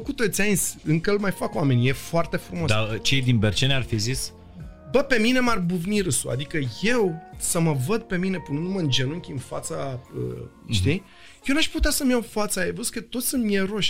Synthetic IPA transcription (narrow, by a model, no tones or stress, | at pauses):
kut̪o̞t̪sʲainʲsʲɨŋkəɨlmajfakwame̞nʲje̞foart̪e̞fɾumosat͡ʃe̞jd̪inbert͡ʃenarfizis | bəpe̞mine̞marbuvniɾɨsua̰d̪ikəje̞wsəməvəd̪̚pe̞mine̞punənuməɨnd͡ʒe̞nuŋkʲiɨnfat̪saə̰ʃt̪i | jewnaʃput̪easəmjawfat̪sajevəskət̪o̞t̪sʲsɨnmʲjeɾo̞ʃʲ